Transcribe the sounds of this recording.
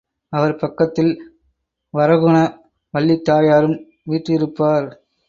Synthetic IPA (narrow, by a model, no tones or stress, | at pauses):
ɐʋɐɾpɐkːɐt̪ːɪl | ʋɐɾɐɣɯɳɐ | ʋɐɭːit̪ːaːjaːɾɯm | ʋiːʈrɪɾɯpːaːɾ